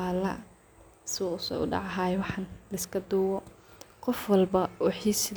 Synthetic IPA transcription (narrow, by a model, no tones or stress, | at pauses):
lɐ | sɪʊsɔ̰ːʊ̰ɖɑ̰ʕɑɦaːjɛwɑħɑnlɐɪskʰɐd̪uːwɔqɔfwɐlbɐwɑħiːs